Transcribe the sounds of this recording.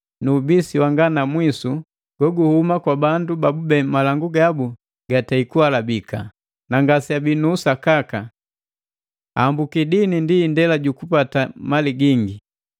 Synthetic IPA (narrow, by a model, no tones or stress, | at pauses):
nuːbisiwaŋɡanamwisu | ɡ̥ɔɡuhumakwabandubabubɛmalaŋɡuɡabu | ɡ̥ataikualabika̰ | naŋɡasiabinuːsakaka | aːmbukidinindiːndɛlaɟukupatamaliɡiŋɡi